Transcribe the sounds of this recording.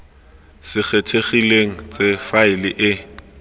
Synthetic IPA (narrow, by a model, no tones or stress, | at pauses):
sɪk͡xʰetʰeχileŋ̩t͡sefaɪlɪʔɪ